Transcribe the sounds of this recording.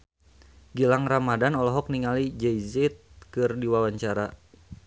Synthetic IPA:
ɡilaŋramadanɔlɔɦɔk̚niŋalid͡ʒɛjzɛt̪̚kɨrdiwawaɲt͡ʃaɾa

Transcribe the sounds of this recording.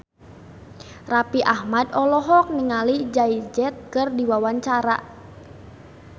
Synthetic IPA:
rapiʔahmadɔlɔɦɔk̚niŋalid͡ʒaid͡ʒɛt̪̚kɨrdiwawaɲt͡ʃaɾa̰

